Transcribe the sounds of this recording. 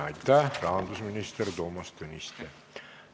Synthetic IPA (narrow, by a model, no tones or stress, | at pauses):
ɑjt̪ːærɑɑnd̪usminist̪erʲd̪omɑst̪ønist̪e